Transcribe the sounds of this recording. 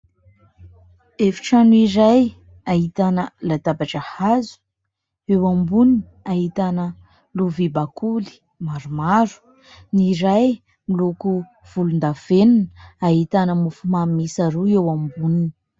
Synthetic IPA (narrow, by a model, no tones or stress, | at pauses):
efi̥ʈ͡ʂanuiɾaj | aɦit̪anəlat̪abaʈ͡ʂəhazu̥ | ewambuniniaɦit̪anə | luvibakʰuli̥ | maɾumaɾu̥ | niɾaj | miluku | v̥ulund̪av̥enunaɦit̪anəmufumamisaɾuewambunini̥